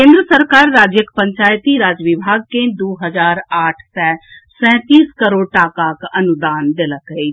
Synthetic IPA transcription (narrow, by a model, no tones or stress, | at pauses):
kẽːnd̪ɾəsəɾkaːɾːaːd͡ʒjəkpə̃ɲt͡ʃaːjt̪iɾaːd͡ʒəʋɪbʱaːɡ̚ked̪oːɦəd͡ʒaːɾaːʈʰsɛ̃sɛ̃ːt̪iːskəɾoːɽʈaːkakɐnʊd̪aːnd̪eləkəi